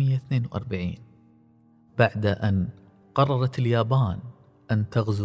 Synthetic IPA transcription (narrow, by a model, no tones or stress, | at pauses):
ɪjːaθneːnwʔɑ̰ɾˤbaʕḭːn | b̥aʕd̪aʔan | qɑrˤːɑɾˤɑt̪ɪljaːbaːn | ʔant̪aɣz